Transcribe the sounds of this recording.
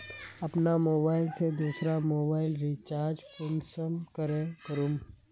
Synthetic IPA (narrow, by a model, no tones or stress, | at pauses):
ɐpnamoːbaːɪlsed̪uːsɾamoːbaːɪlɾiːt͡ʃaːɾd͡ʒpʊmsəmkəɾẽkəɾũːm